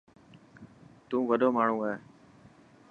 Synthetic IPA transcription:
t̪ũːʋəɗoːmaːɳ̤ũːaɦeː

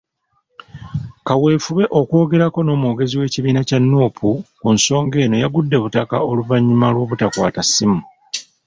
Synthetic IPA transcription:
kawe̞ːfuβe̞ʔo̞ko̞ːɡe̞ɾako̞no̞ːmoːɡe̞ziwe̞ːciβiːnacanːuːpʰukunso̞ːŋɡe̞ːno̞jaɡudːe̞βutakao̞luvaɲːumalwo̞ːβutakwa̰ːtasːimu

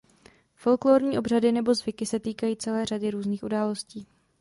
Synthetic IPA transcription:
fo̞lkloːɾɲiːʔo̞br̝adɪnɛbo̞zvɪkɪsɛt̪iːkajiːt͡sɛlɛːradɪɾuːzniːxʔudaːlo̞sciː

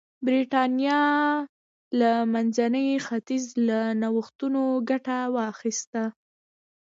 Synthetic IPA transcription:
bɾiʈɑnjɑ | lamanzanəjxat̪izlanawəxt̪unoɡaʈawɑxist̪a

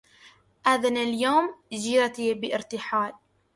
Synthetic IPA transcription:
ʔaðanaljoːmd͡ʒiːɾat̪ibɪʔɪɾt̪ɪħaːl

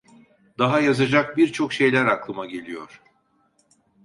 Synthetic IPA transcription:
d̪aɦajazad͡ʒak̚biɾt͡ʃʰo̞kʃe̞jlʲæɾaklˠɯmaɟe̞lʲijo̞̰ɾ̥

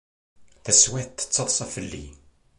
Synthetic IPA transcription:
θæswæθt̪ːə̥t͡sːəðˤsˤɑfəlːḭ

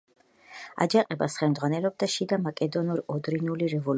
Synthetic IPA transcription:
a̰d͡ʒaqʼɛbasχɛmd̪zʁwanɛlɔb̚d̪aʃid̪amakʼɛd̪ɔnuɾɔd̪ɾinuliɾɛvɔl

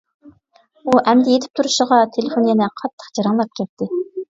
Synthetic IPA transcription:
uʔɛmd̪ɪjet̪ʰɪ̥p̚t̪ʰuɾuʃəʁɑt̪ʰelefonjɛnɛqʰɑt̪ʰːə̥qd͡ʒɑɾɑŋlˠɑp̚kʲʰɛt̪ʰːɪ

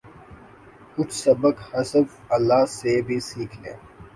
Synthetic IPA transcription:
kʊt͡ʃʰsɐbəkhɐsəb | ɐlːaːsebʱisiːkʰlḛ̃ː

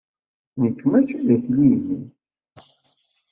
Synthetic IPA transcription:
nəkːmæçðæθlini

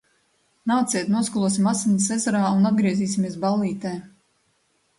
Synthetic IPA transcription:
naːt̪siɛt̪nuɔskulˠuɔsimasinsezaɾaːunad̪̚ɡɾiɛziːsimiɛsbalˠiːt̪ɛː

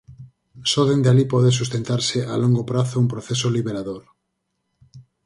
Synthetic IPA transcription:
soðend̪ealipoðesust̪ent̪aɾseʔaloŋɡopɾaθoumpɾoθesoliβeɾaðoɾ

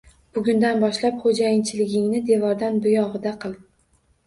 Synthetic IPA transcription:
b̥ʊɡʲʊnd̪anbɒʃlapχod͡ʒajɪnt͡ʃʰɪlɪɡʲɪŋnɪd̪e̞vɒɾd̪anbʊjɒʁɨd̪aqʰɨlˠd̪

